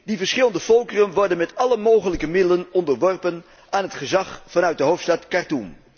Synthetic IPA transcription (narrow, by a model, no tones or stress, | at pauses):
divəɹsχɪlˠəndəvɔlˠkərənʋɔɹdənmɛtɑləmowχələkəmɪdələnɔndəɹʋɔɹpən | aːnɦətχəzɑχfɑnœɥt̚dəɦowftstɑtkɑɹtum